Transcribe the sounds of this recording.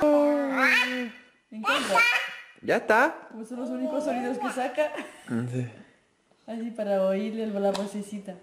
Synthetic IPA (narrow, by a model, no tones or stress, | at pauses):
o | eŋkant̪ad͡ʒast̪apwesõñlos̬unikosoniðoskesakasi | asipaɾaoiɾlelβolaposesit̪a